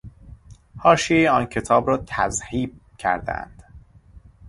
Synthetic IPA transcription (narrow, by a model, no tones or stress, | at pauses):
hɒːʃieɒːncʰe̞t̪ʰɒːbɾɒːt̪ʰæ̰zhiːb̥̚cʰæ̰ɾd̪æ̰nd̪̥